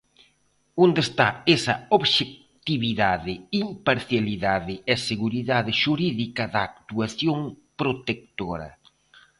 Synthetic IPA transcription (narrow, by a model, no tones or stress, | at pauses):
ond̪est̪a̰esɐoβʃek̚ | t̪iβiðaðɪimpaɾθjaliðaðɪɛseɣuɾiðaðɪʃuɾiðikɐðaːk̚t̪uaθjoŋ | pɾot̪ek̚t̪oɾɐ̰